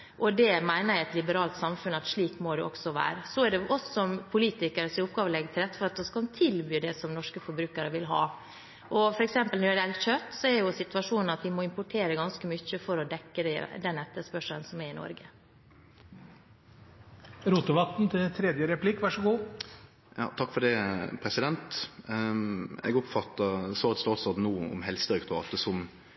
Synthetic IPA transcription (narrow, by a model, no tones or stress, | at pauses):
ʔɔd̪ɛmæɪnəɾæɛt̪lɪbəɾɑːlt̪sɑmfʉnɑt̪ʂɭiːkmod̪ɛ̰ɔ̰ksɔʋæ̰ːɾəsɔæɖɛʔɔsɔmpʰʊliːt̪ɪkəɾəsɪʊpɡɑːʋəlɛɡːət̪ʰɪlɛt̪ːfɔɾɑt̪̚d̪ɔskɑt̪ʰɪlbyːd̪ɛsɔmnɔʂkəfɔɾbɾʉːkəɾəʋɪlɦɑ̰ː | ʔɔfɔɾɛksɛmpəlɔæd̪ɛlçœt̪ːsɔɛɾjʊsɪt̪ʋɑʂuːnənɑt̪ʋɪmɔɪmpʊʈʰeːɾəɡɑnskəmʏçːəfɔɾɔd̪ɛkːəd̪ɛ̰d̪ɛnːɛt̪ːəspœʂənsɔmæɾɪnɔ̰ɾɡə | ɾuːt̪ʊʋɑt̪n̩t̪ʰɪt̪ʰɾɛd̪jəɾɛpʰlɪkːʋɑʂəɡuː | jɑ̰ːt̪ʰɑkːfɔɖɛpʰɾɛsɪd̪ɛnt̪ | ɛ̰ɡɔpfɑt̪ːəsɔːɑt̪st̪ɑːt̪sɑd̪nuːəʊ̰mɦɛlst̪əœkt̪ʊɾɑ̰ːt̪əsɔm